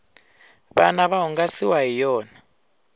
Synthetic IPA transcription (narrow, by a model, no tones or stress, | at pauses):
βanaβaɦuŋɡasiwaɦijɔːna